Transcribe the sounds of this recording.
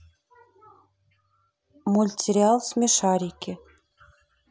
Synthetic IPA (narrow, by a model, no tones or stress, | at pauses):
mulʲtʲiɾʲiɑlˠsmʲeʃɑɾʲikĕ